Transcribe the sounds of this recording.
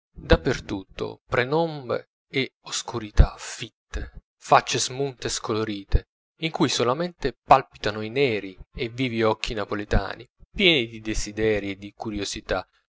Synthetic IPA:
d̪apːert̪ut̪ːo̰pɾenɔmbḛ | eoskuɾit̪afit̪ːe | fat͡ʃːezmunt̪eskoloɾiːt̪e | iŋkujsolament̪epalpit̪anoinɛːɾievːiːviɔkːinapolet̪a̰ːnipjɛːnid̪id̪ezid̪ɛːɾied̪ikuɾjozit̪a

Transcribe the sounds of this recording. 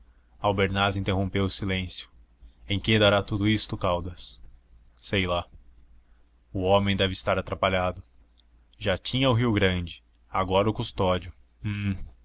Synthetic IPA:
awbeɾnazĩnt̪eɦõmpewʊsilẽsjʊ̥ | ẽj̃ked̪aɾat̪ud̪ʊist̪ʊkawd̪ɐs | sejla | ʊõmẽj̃d̪ɛvɪst̪aɾat̪ɾapaʎad̪ʊ | ʒat͡ʃĩɲɐʊɦiwɡɾɐ̃d͡ʒɪ | aɡɔɾɐʊkust̪ɔd͡ʒʊ

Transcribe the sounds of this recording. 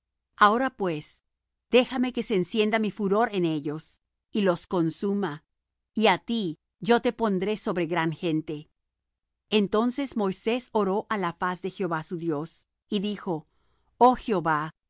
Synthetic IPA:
aoɾapwe̞s | d̪̥e̞xame̞ke̞seːnsje̞nd̪amifuɾo̞ɾe̞ne̞ʝo̞s | ilo̞sko̞nsuma | iat̪i | ʝo̞t̪e̞po̞nd̪ɾe̞so̞βɾe̞ɣɾaŋxe̞nt̪e̞ | ent̪o̞nse̞smo̞jse̞so̞ɾo̞ʔalafasðe̞xjo̞βasuðjo̞s | iðixo̞ | oxeo̞βa

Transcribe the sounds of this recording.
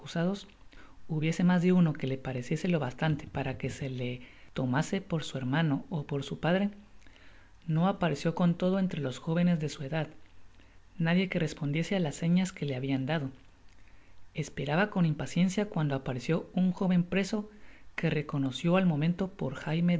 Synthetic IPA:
akusað̞o̞s | uβje̞se̞mazðe̞uno̞ke̞le̞paɾe̞sje̞se̞lo̞βast̪ant̪e̞̥paɾake̞se̞le̞t̪o̞mase̞po̞ɾsue̞ɾmano̞ːpo̞ɾsupaðɾe̞ | no̞apaɾe̞sjo̞ko̞nt̪o̞ð̞o̞e̞nt̪ɾe̞lo̞sxo̞β̞e̞ne̞zðe̞sue̞ðað | naðje̞ke̞re̞spo̞nd̪je̞se̞alasːe̞ɲaske̞le̞aβiand̪aðo̞ | e̞spe̞ɾaβako̞nimpasje̞nsjakwand̪o̞apaɾe̞sjo̞uŋxo̞βe̞mpɾe̞so̞ke̞re̞ko̞no̞sjo̞almo̞mẽ̞nt̪o̞po̞̰ɾxajme

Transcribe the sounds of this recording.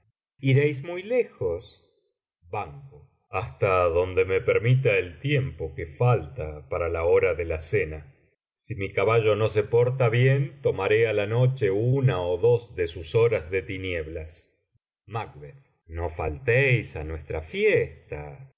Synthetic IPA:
iɾejsmujle̞xos | baŋko | ast̪aðo̞nd̪eme̞peɾmit̪̬aelt̪je̞mpo̞kefalt̪apaɾalaoɾaðe̞lasena | simikaβaʒo̞no̞s̬e̞po̞ɾt̪aβje̞nt̪o̞maɾealano̞t͡ʃe̞uunaoðo̞zðe̞suso̞ɾazðe̞t̪injeβlas | mak̚βeð | no̞fa̰lt̪ejsa̰nwe̞st̪ɾafjest̪a̰

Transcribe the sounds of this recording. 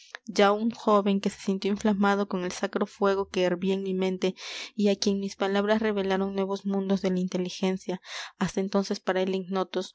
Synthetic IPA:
d͡ʒauŋxo̞βe̞ŋke̞se̞̥sint̪joiɱflamað̞o̞ko̞ŋe̞lsakɾo̞fwe̞ɣo̞ke̞ːɾβieŋmimẽ̞nt̪e̞iakje̞ŋmispalaβɾasre̞βe̞laɾo̞ŋnwe̞β̞o̞zmũnd̪o̞zðe̞laint̪e̞lixe̞nsjaast̪aent̪o̞nse̞spaɾaeleŋno̞t̪o̞s

